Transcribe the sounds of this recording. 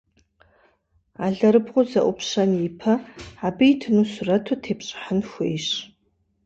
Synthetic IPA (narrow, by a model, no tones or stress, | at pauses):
aːɮɐɾɨbʁʷʊzɐʔʷʊpʰʂɐnjipʰɐabɨitʰɨnusʊrɐtʰotʰeːpɕʼɪ̥ħənxʷejɕ